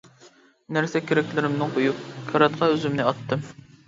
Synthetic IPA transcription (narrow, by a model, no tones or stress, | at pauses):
næɾsɛkʲʰeɾɛkʲlɪɾɪmnɨŋqojup̚kʲʰɑɾɑt̪̚qʰɑøzymnɪɑt̪ːɨm